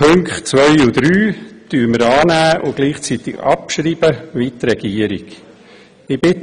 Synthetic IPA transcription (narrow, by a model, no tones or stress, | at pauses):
ɵŋkχtt͡sʋœʏʊd̪̥ɾyːt̪yːɾməɾɑːnæːʔʊɡ̥liːχt͡sit̪ɪɡɑ̰pʃɾiːb̥əʋit̪ɾɛɡ̥iːəɾiɡ̥ | ɪb̥ɪt